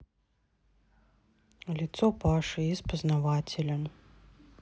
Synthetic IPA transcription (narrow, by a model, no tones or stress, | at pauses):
lʲit̪sɔpaʂɨispɐznavatʲelʲɐm